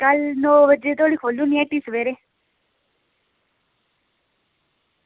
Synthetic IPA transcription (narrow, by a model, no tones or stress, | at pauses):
kəlnoːʋəd͡ʒeːt̪oːɽiːkʰoːlːũːniɛːʈiːsəʋeːɾe